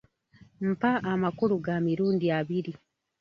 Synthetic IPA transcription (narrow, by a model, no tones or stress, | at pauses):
m̩paʔːmakuluɡamiɾuːndiaβiɾi